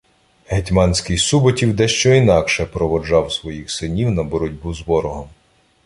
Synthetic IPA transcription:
ɦetʲmɑnʲsʲkɪjsubɔtʲiwd̪ɛʃt͡ʃɔinɑkʃɛpɾɔʋɔd͡ʒɑwsʋɔjixsɪnʲiwnɐbɔɾʊdʲbuzʋɔɾɔɦɔm

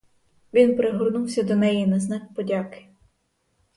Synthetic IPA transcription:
ʋʲinpɾeɦɔrnuwsʲɐd̪ɔnɛjinɐznɑkpɔdʲakɪ̥

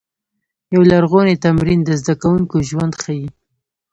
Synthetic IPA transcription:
jawlaɾɣonet̪amɾind̪əzd̪akawuŋkoʒwand̪xaji

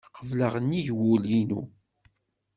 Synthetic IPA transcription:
qʰəvləʁənːiʝwulinṵ

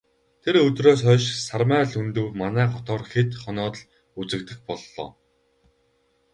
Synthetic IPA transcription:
t̪ʰeɾɵt̪roːsœʃsarmæːɮɵnt̪ɵ̆wmanæːχɔt̪ɔːrxet̪χɔnɔːt̪̆ɮ | ut͡sɘ̆kt̪ɘ̆xpɔɮːɔ̰ː

